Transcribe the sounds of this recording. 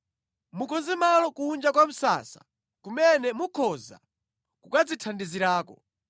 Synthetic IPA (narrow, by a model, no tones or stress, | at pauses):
mukʰɔnzɛmalɔkuːnd͡ʒakwam̩sa̰sḁ̰ | kumɛnɛmukʰɔza̰ | kukad͡zitʰandiziɾaːkɔ